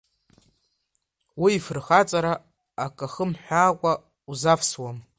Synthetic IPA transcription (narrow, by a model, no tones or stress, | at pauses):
wiːfɨrχat͡sʼaɾaː | kʼaχəmħʷᶣaːkʷʼa | uzafswam